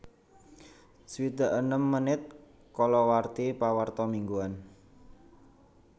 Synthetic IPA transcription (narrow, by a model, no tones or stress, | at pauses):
swid̪a̤ʔənəmːənɪt̪̚ | kɔlɔwart̪ipawart̪ɔmiŋɡuan